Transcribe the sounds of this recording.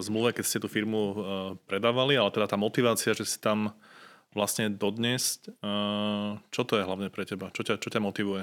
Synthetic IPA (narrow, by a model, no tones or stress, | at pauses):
zmluʋɛkɛcscɛt̪uːfiɾmupɾɛd̪aːʋalialɛt̪ɛd̪at̪aːmɔt̪iʋaːt͡siaʒɛsi̥t̪am | ʋlasɲɛd̪ɔd̪ɲɛsc | t͡ʃɔt̪ɔjɛɦlaʊɲɛpɾɛcɛbat͡ʃɔcat͡ʃɔcamɔt̪iʋujɛ